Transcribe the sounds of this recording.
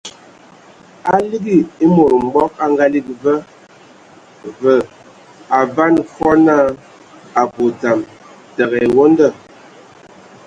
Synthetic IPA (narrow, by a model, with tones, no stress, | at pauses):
a˦li˦ɡi˦˨e˦mo˨ɾm̩˨˦ɡ͡bɔ˦ka˦ŋɡa˦li˦kvə˦ | və˨ | a˨va˦nfɔ˦na˦˨ | a˨bo˨ta˨m | tə˨ɣɛ˨wo˦n˦də˦˨